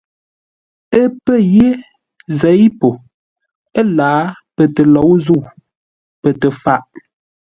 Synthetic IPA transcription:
ə˦pə˦˨je˦ | zɛ˨˦jpo˨ | ə˦laː˨˦pə˨tə˨lɔ˨˦wzu˦˨w | pə˨tə˨fa˦ʔ

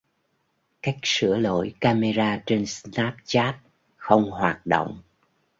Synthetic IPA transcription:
ka˦˥jk̟̚sɨ̰˧˥əlo̰˧˥jkaː˧me˧zaː˧t͡ɕe˧nsnaː˦˥p̚t͡ɕaː˦˥t̚ | xə˧wŋ͡mhwaː˨˩t̚ɗo̰˧˨wŋ͡m

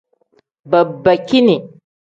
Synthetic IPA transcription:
ba˨bːa˨ki˦ni˨

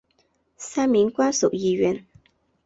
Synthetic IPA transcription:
sa˦˥mi˨˦ŋkwa˦sṵ˨ʔji˧ɥɛ˧˨n

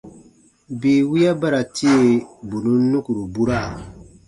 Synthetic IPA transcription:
be˨wi˦ja˦ba˦ɾa˨ti˦e˦˨bu˨nu˦nu˦ku˨ɾu˨bu˦ɾa˦˨

